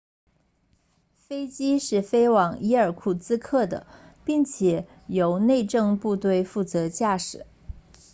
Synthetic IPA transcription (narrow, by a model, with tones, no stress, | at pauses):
fe˥ɪt͡ɕi˥ʂɻ̩˥˩fe˥ɪwɑ˨˩ŋi˥ə˞˨˩kʰu˥˩t͡sɹ̩˥kʰɤ˥˩d̪ə̰˩pi˥˩ŋt͡ɕʰjɛ˨˩˦ | jo˧˥ʊne˥˧ɪʈ͡ʂɤ˥˧ŋpu˥˧t̪we˥˧ɪfu˥˩t͡sɤ˧˥t͡ɕja˥˩ʂɻ̩˨˩˦